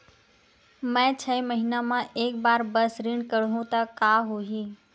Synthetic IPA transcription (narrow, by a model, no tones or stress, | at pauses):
mɛ̃ːt͡ɕʰɐiməɦinamãʔeːkbaːɾbɐsɾiɳɖkɐɽ̤ũt̪ɐkaːɦuiː